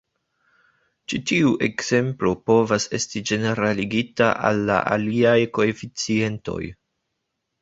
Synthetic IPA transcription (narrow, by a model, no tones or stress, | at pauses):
t͡ʃitiuʔe̞kz̥e̞mplo̞po̞vase̞stid͡ʒe̞ne̞ɾaliɡitaʔa̰lːa̰ʔa̰liajko̞e̞fit͡sie̞nto̞̰j